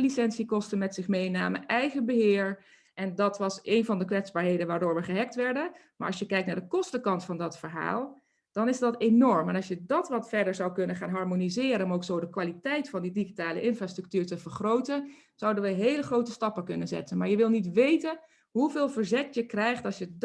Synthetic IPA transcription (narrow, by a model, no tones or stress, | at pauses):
lisɛnsikɔstənmɛtsɪχmejna̰ːmənʔɛjχəbəɦɪːɹ | ʔɛndɑtʋɑsejnvɑndəkʋɛtzbaːɹɦejdənʋaːɹdʊːɹʋəχəɦɛk̚tʋɛɹdən | ma̰ːɹɑsjəkɛjk̚naːɹdəkɔstəkɑntfɑndɑtfəɹɦa̰ːlˠ | d̥ɑnɪzdɑtenɔɹmɛnɑsjədɑtʋɑtfɛɹdəɹzɑwkɵnəχaːnɦɑɹmonizɪːɾənʊmowksowdəkʋaːlitɛjtfɑndidiχitaːlə̰ʔɪnfraːstrək̚tyːɹtəvəɹχrowtən | z̥ʌwdənʋəɦejləχrowtəstɑpəkɵnənzɛ̰tənmaːɹjəʋɪlˠnitʋejtən | ɦuveːlˠvəɹzɛkjəkrɛjχtɑsjə